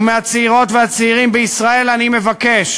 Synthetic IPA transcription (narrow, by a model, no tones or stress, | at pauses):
meat͡seiʁo̞t̪veat͡seiʁimbeisʁae̞lanime̞vake̞ʃ